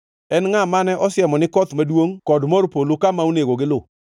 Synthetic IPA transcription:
ɛnŋamanɛʔɔsɪjɛmɔnɪkɔt̪madwoŋkɔdmɔrpolokamaoneɡoɡɪlʊ

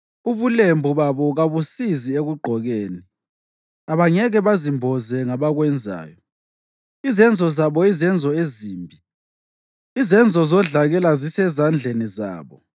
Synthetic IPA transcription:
uβulembʱuβaβɔɣaβusizieɣuɡ͡ǃʱɔɣeːni | aβaŋɛɣɛβazimbʱɔzɛŋaβaɣwɛnd͡zʱa̰ːjɔ | izɛnd͡zʱɔzaβɔizɛnd͡zʱɔeziːmbʱi | izɛnd͡zʱɔzɔɮaɣɛlazisɛzand͡ɮʱeniza̰ːβɔ

